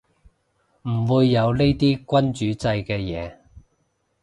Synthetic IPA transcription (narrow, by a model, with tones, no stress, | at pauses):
m̩˨˩wuː˨˧jːɐ˨˧wle˥jt̪iː˥kʷɐ˥nt͡ʃyː˨˥t͡sɐ˧jkɛː˧jɛː˨˧